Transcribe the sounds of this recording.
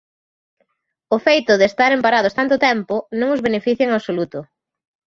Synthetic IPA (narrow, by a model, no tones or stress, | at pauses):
ʊfejt̪ʊðeːst̪aɾempaɾaðʊst̪ant̪ʊt̪ɛmpʊnõŋʊzβenefiθjoeŋaβsolut̪ʊ